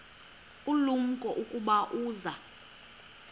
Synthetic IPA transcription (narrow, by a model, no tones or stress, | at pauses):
ulum̩kʼɔʔukʼuɓaʔuːza